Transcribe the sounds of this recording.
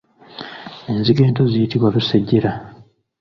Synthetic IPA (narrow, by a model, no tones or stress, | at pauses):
e̞nziɡe̞ːntozijitiβwaβuseɟːeɾa